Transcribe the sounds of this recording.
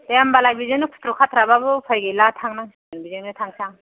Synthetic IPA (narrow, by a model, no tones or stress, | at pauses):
tajambalajbizenɯpʰu̥tʰɾukʰatʰɾababɯpʰajɡelatʰaŋnaŋs | nbizeŋnɯtʰaŋsaŋ